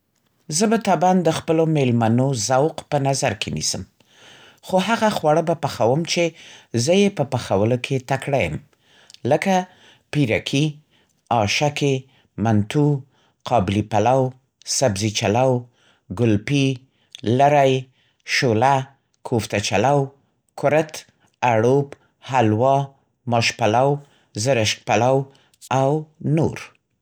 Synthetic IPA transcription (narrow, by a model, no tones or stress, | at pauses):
zəbat̪ɑband̪əxpəlomelmanozawqpənazaɾkʰenḭsəm | xoɦaɣaxwaɽəbapaxawəmt͡ʃezəjepəpaxawəlokʰet̪akɽajə̰m | ləka | piɾa̰kʰi | ɑʃake | mant̪u | qʰɑbɪlipalaw | sabzit͡ʃalaw | ɡʊlpi | laɾaj | ʃola | kʰoft̪at͡ʃalaw | kʰʊɾət̪ | aɽop | halwɑ | mɑʃpalaw | zəɾəʃk̚palaw | awno̰ɾ